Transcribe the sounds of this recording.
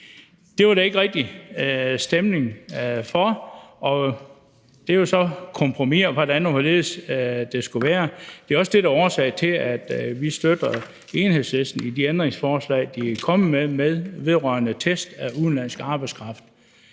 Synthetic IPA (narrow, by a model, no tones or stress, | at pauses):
d̥e̝ʋɑ̈ɾæe̝ɡ̥ʁɛɡ̥̚d̥i | sd̥emne̝ŋfɒɒ̽ | d̥e̝josɒ̽kʰɒ̽mpʰʁomiɐʋɒɾænʋɒle̝̰ːð̩ˠsd̥e̝sɡ̥uʋæːɐd̥e̝ɒ̽səd̥e̝ɾæɒːsɛɪt͡sʰe̝læd̥ʋisd̥ød̥ɐ | e̝ːnhe̝ðˠsesd̥n̩id̥iend̥ʁeŋsfɒːslɛ̰ɪ̰d̥ikʰɒ̽məmemeðˠʋe̝ð̞ˠʁœɐnət͡sʰesd̥æuðˠnlæn̰sɡ̥ɑ̈ːb̥ɑ̈ɪskʰʁɑ̈fd̥